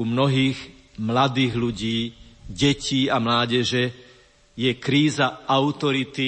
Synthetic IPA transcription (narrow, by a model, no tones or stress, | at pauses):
umnɔɦiːɣ | mlad̪iːɣluɟiːɟɛciːamlaːɟɛʒɛ | jɛkɾiːzaʔaʊt̪ɔɾit̪i